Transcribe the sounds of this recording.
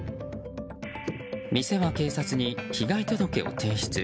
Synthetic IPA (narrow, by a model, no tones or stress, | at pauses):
mʲise̞βake̞ːsat͡sɨɲ̟içiɡait̪o̞d̪o̞ke̞o̞̰t̪ʰẽ̞ɰ̃ɕi̥t͡sɨ